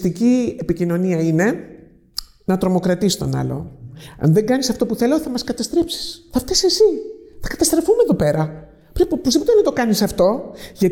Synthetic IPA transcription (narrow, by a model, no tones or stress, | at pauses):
t̪iciepicino̞niɐine̞ | nɐt̪ɾo̞mo̞kɾɐt̪ist̪o̞̰nɐ̰lo̞̰ɐ̰nðe̞ŋɡɐnisɐft̪o̞puθe̞loθɐmɐskɐt̪ɐst̪ɾe̞psi̥sθɐft̪ɐsesiθɐ̥kɐt̪ɐst̪ɾefumeðo̞pe̞ɾɐ | pɾepposipot̪enɐt̪o̞kɐnisɐft̪o̞ʝɐt